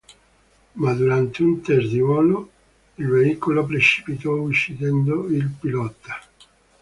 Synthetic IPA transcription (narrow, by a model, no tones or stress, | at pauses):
mad̪uɾant̪eunt̪erd̪iwɔno | ilveikolop̬ɾet͡ʃi̥pit̪ɔut͡ʃːid̪ɛnd̪oilpilɔt̪ːḁ